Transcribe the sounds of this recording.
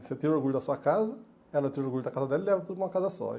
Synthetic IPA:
set̪iɾoɾɡuʎʊd̪ɐsuɐkazɐ | ɛlɐt̪iɾuoɾɡuʎʊd̪ɐkazɐd̪ɛlilɛvɐt̪od̪ʊkũm̃ɐkazɐsɔ̰

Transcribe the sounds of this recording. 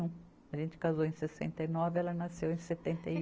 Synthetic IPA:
ũ | ɐʒẽnt͡ʃɪ̥kazowẽj̃sesḛ̃nt̪ejnɔvɪɛlɐnasewẽj̃set̪ẽnt̪ej

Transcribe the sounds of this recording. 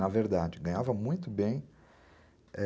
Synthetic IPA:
nɐveɾd̪ad͡ʒɪɡɐ̃ɲavɐmũj̃t̪ʊbẽj̃ | ɛ

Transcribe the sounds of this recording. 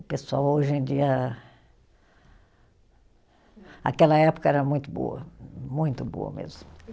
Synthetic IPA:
pesuawoʒẽj̃d͡ʒiɐ | a̰kɛlɐɛpʊ̥kɐɛɾɐmũj̃t̪ʊbo̰ɐ̰mũj̃t̪ʊbo̰ɐ̰mḛzmʊ

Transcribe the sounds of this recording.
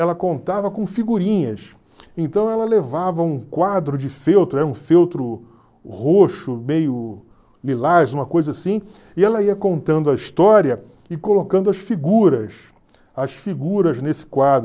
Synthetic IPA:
ɛlɐkõnt̪avɐkõfiɡuɾĩɲɐs | ẽnt̪ɐ̃w̃ɛlɐlevavɐũkwad̪ɾʊd͡ʒɪfewt̪ɾʊɛɾɐũfewt̪ɾʊ | hoʃʊmejʊ | lilazũmɐkojzɐasĩ | ɪɛlɐiɐkõnt̪ɐ̃nd̪ʊɐist̪ɔɾiɐ | ɪkolokɐ̃nd̪ʊɐʃfiɡuɾɐs | ɐʃfiɡuɾɐznesɪ̥kwad̪ɾʊ

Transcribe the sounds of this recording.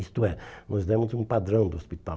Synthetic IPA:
ist̪ʊɛnɔzd̪ẽmʊzũpad̪ɾɐ̃w̃d̪ʊospit̪a

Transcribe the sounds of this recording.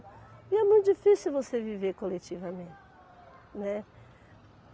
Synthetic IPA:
ɪɛmũj̃t̪ʊd͡ʒifisiuwvoseviveɾkolet͡ʃivɐmẽt̪ɪ | nɛ

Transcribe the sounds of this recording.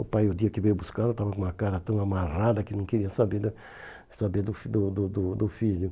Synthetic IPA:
ʊpajʊd̪iɐkɪvejbuskad̪ʊt̪avɐk̬õũɐkaɾɐt̪ɐ̃w̃amarad̪ɐkɪnɐ̃w̃keɾiɐsabed̪ | sabed̪ʊfd̪ʊd̪ʊd̪ʊd̪ʊfiʎʊ

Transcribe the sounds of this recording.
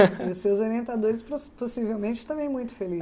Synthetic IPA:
iʊsewzoɾiẽnt̪ad̪oɾɪspɾoposivewmẽnt͡ʃɪ̥t̪ɐ̃mẽj̃mũj̃t̪ʊ̥feli

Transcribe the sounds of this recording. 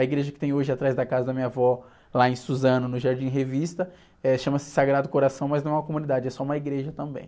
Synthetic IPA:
ɐiɡɾeʒɐkɪ̥t̪ẽj̃oʒɪat̪ɾajzd̪ɐkazɐd̪ɐmĩɲavɔ | laẽj̃suzɐ̃nɐnʊʒaɾd͡ʒĩɦevist̪ɐ | ɛʃɐ̃mɐsɪ̥saɡɾad̪ʊkoɾasɐ̃w̃mɐznɐ̃w̃ɛũmɐkomũnid̪ad͡ʒɪɛsɔũmɐiɡɾeʒɐt̪ɐ̃mbḛ̃j̃

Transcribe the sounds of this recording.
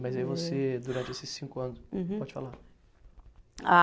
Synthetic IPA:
mɐjzɐivosed̪uɾɐ̃nt͡ʃɪesɪsːĩkʊɐ̃nʊspɔd͡ʒɪt͡ʃɪfa̰la | a

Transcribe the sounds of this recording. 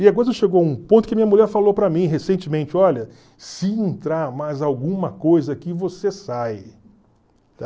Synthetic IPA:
ɪaɡɔɾʃeɡowaũpõt̪ʊ̥kɪmĩɲɐmulʎɛɾfalowpɾɐmĩɦesẽnt͡ʃɪmẽnt͡ʃɪɔʎɐ | sɪẽnt̪ɾaɾmajzawɡũmɐkojzɐkɪvosesaj | t̪a

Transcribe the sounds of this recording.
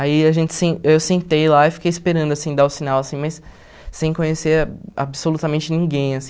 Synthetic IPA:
aiaʒẽnt͡ʃɪ̥sẽewsẽnt̪ejlaifi̥kejispeɾɐ̃nd̪ʊasĩd̪aʊsinawasĩmɐjsː | ẽj̃kõɲeseɾa̰bsolut̪amẽnt͡ʃɪnĩŋɡẽj̃asĩ

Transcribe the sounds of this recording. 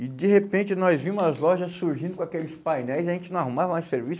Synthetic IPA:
ɪd̪ɪhepẽnt͡ʃɪnɔzvĩmʊzɐzlɔʒɐsuɾʒĩnd̪ʊkõakelɪspajnɛjziɐʒẽnt͡ʃɪnɐ̃w̃ahumavɐmajseɾvis

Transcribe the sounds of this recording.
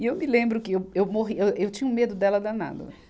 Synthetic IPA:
ɪewmɪlẽmbɾʊkɪewewmoɦiewewt͡ʃĩɲʊ̃med̪ʊd̪ɛlɐd̪ana̰d̪ɐ̰

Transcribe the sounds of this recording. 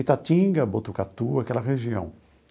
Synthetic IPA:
it̪atĩɡɐbot̪ukat̪uakɛlɐɦeʒiɐ̃w̃

